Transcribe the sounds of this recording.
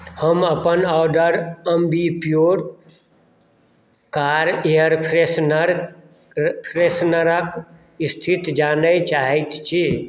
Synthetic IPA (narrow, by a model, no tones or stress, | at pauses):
həməpənaʊɖəɾəmbʱipjoɾ | kaɾejəɾpʰɾesnəɾ | pʰɾesnəɾək | ist̪ʰit̪d͡ʒanəjt͡ʃaɦɛjt̪t͡ʃʰi